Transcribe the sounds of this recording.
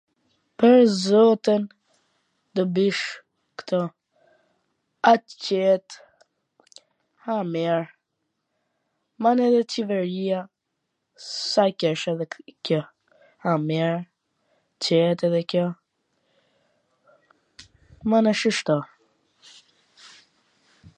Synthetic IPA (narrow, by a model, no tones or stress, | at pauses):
pəɾzɔt̪ən | d̪ɔbiʃ | kt̪ʰɔ | at͡ɕɛt̪ | hamɛɾ | manɛðɛt͡ʃɛvɛɾia | sakɛʃɛðɛkɔ | hamɛɾ | t͡ʃɛt̪ɛðɛkjɔ | manəʃəʃt̪ɔ